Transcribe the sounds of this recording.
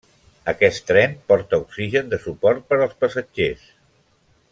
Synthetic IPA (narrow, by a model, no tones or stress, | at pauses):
əkɛst̪ɾɛmpɔɾt̪əuksiʒənd̪əsupɔɾt̪̚pəɾəlˠspəsəd͡ʒes